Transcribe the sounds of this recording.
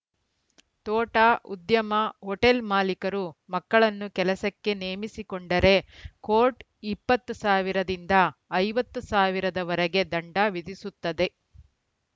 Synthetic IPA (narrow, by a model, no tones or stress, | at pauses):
t̪ɔːʈaʔud̪jɐmɐɦɔʈelmaːlikɐɾumɐkːɐɭɐnːukɛlɐsɐkːe̞neːmisikoɳɖɐɾe̞koːʈ | ipːɐt̪ːusaːʋiɾɐd̪ind̪ɐːjʋɐt̪ːusaːʋiɾɐd̪ɐʋɐɾɐɡe̞d̪ɐɳɖɐʋid̪isut̪ːɐd̪e̞